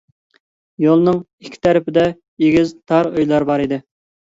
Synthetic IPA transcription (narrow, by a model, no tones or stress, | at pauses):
jolˠnɨŋ | ikʲʰːɪ̥t̪ʰæɾɪpɪd̪ɛ | jeɡʲizt̪ʰɑɾøjlˠɑɾbɑɾid̪ɪ